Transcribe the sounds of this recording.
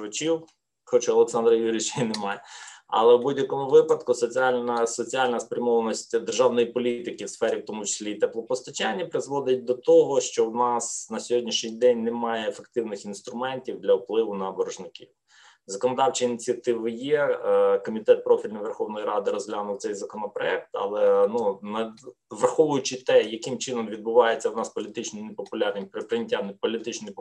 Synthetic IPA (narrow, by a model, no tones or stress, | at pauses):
ɐt͡ʃʲiw | xɔt͡ʃaɔlˠeksɑnd̪ɾɐjʲiɾʲɪt͡ʃɐinemɑjɛɐ̰lˠɛwbudʲjɐkɔmʊʋɪpɐd̪kʊsɔt͡sʲiɑlʲnɐsɔt͡sʲiɑlʲnɐspɾʲɐmɔʋɐnɔsʲtʲd̪erʒɑwnɔjipɔlʲit̪ɪkɪwsfɛɾʲiwt̪ɔmʊt͡ʃɪ̥sʲlʲit̪ɛplˠɔpɔst̪ɐt͡ʃanʲːɐpɾɪzʋɔd̪ɪt̚ʲd̪ɔt̪ɔɦɔʃt͡ʃɔwnɑsnɐsʲɔɦɔdʲnʲiʃnʲijd̪ɛnʲnemɑjɛːfek̚t̪ɪwnɪxinst̪ɾʊmɛnʲtʲiwd̪lʲɐwplˠɪʋʊnɐːbɔɾɔʒnɪkʲḭw | zɐkɔnɔd̪ɑwt͡ʃiːnʲit͡sʲiɐt̪ɪʋɪjɛkɔmʲit̪ɛt̪̚pɾɔfʲilʲnɪjʋerxɔwnɔjiɾɑd̪ɪɾɔzɦlʲanʊw̪sɛjzɐkɔnɔpɾɔɛk̚t̪ɐ̰lˠɛnunɐʋrxɔʋʊjʊt͡ʃɪt̪ɛjɐkɪmt͡ʃɪnɔmʋʲid̪̚bʊʋɑjet͡sʲːɐwnɑspɔlʲit̪ɪt͡ʃnɔnepɔpʊlʲɑrnɪmpɾɪpɾɪnʲɪtʲːanɪpɔlʲit̪ɪt͡ʃnɔj